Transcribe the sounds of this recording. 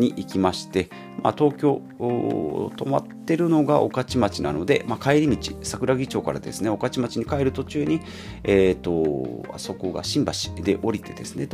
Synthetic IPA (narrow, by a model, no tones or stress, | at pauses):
ɲiʔikʲimaɕi̥t̪e̞ | ma̰t̪o̞ːkʲo̞ː | t̪o̞ma̰t̪ːe̞ɾɯ̟no̞ɡaʔo̞̰kat͡ɕimat͡ɕina̰no̞d̪e̞makaeɾʲimʲit͡ɕi̥sakɯ̟ɾaɡʲit͡ɕo̞ːkaɾa̰d̪e̞sɨneo̞kat͡ɕimat͡ɕiɲ̟ikaeɾɯ̟t̪o̞t͡ɕɨːɲ̟i | eːt̪o̞a̰so̞ko̞ɡa̰ɕĩmbaɕi̥d̪e̞ʔo̞ɾʲit̪e̞d̪e̞sɨne̞t̪